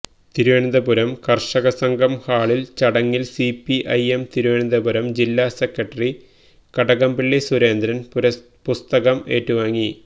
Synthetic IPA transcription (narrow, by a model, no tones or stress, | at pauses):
t̪iɾuʋeɳd̪ɐpuɾɐmkɐrʂɐɣɐsɐŋɡʱɐmhaːɭilt͡ɕɐɽɐŋːilsipːiʔɐjemt̪iɾuʋeɳid̪ɐbuɾɐmd͡ʑilːaːsekːɐʈːɐri | kɐɽɐɣɐmbiɭːisuɾe̞ːnd̪ɾɐn | pust̪ɐɣɐme̞ːtːuʋaːŋːi